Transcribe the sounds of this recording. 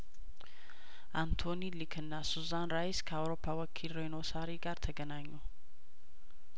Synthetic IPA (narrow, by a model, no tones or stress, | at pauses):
ʔant̪ʰo̞nilikʰɨnːasuzanɾajɪskʰəawɾo̞pʰːawɔkʰilɾejno̞saɾiɡaɾt̪ʰəɡənaɲːu